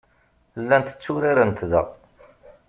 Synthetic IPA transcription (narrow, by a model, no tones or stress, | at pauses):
lːænt̪ə̥t͡sːʊɾiɾənt̪ðə̰ʁ